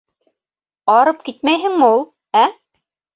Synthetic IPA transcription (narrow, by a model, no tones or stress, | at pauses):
ɑɾɤp̚kit̪mæjɦɘ̆ŋmɘulˠ | æ